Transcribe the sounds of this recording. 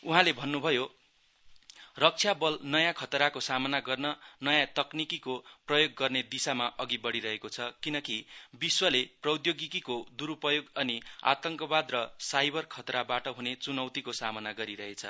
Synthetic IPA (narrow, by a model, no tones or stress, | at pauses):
uɦãlebʱʌnːubʱʌjo | rʌk̚t͡sʰjabʌlnʌjãkʰʌt̪ɾakosamʌnaɡʌrnʌnʌjãt̪ʌknikikoprʌjoɡːʌrned̪isamaʔʌɡibʌɽiɾʌɦekot͡sʰʌkinʌkibiswʌleprʌwd̪joɡikikod̪uɾupʌjoɡʌnia̰t̪ʌŋkʌbad̪rʌsajbʌrkʰʌt̪ɾabaʈʌɦunet͡sunʌwt̪ikosamʌnaɡʌɾiɾʌɦet͡sʰʌ̰